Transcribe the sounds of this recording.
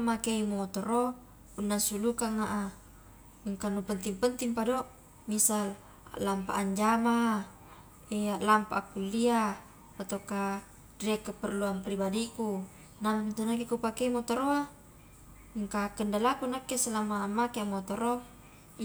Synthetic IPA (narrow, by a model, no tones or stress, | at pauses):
makeimot̪oɾo | punːasulukaŋaʔa | ŋkanupənt̪iŋpənt̪iŋpado | misal | a̰lampa̰aɲd͡ʒama | ealampaakːulːia | pat̪oka | dɾɛkːəpərluampɾibadiku | namnt̪unakekupakeimot̪oɾoa | ŋkakəndalakunakesəlamaːmːakeamot̪oɾo